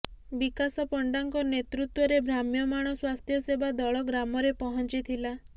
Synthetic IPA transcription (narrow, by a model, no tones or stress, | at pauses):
bikasɔpɔɳɖaŋkɔnet̪ɾut̪wɔɾebʱɾamjɔmaɽ̃ɔswast̪ʰjɔsebad̪ɔɭɔɡɾamɔɾepɔɦɔnt͡ʃit̪ʰila